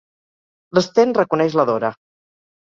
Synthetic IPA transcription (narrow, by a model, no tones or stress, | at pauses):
ləst̪enrəkunɛʃləðoɾə